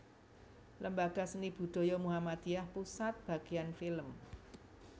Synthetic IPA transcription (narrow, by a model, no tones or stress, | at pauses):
lʔəmbaɡ̥a̤sənib̥ṳd̪̥o̤jɔmuɦamad̪̥iahpusat̪̚b̥ä̤ɡ̥ijanfiləm